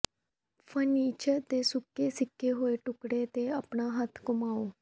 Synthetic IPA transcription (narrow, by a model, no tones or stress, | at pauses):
fənit͡ɕət̪esukːesikːeɦoeʈukɽet̪eapɳaɦat̪ʰkumaʋo